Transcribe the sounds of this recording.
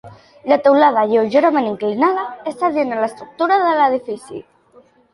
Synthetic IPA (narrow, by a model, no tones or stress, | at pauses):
lat̪awlað̞ajeoʒeɾameniŋklinaðaest̪aðjenelaest̪ɾuk̚t̪uɾaðelaðifisḭ